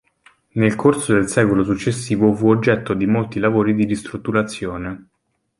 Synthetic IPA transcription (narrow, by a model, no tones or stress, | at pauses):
nelkʰorsod̪elsɛːkolosut͡ʃːesːiːvofuod͡ʒːɛt̪ːod̪imolt̪ilavoːɾid̪iɾist̪ɾut̪ːuɾat̪sːjoːne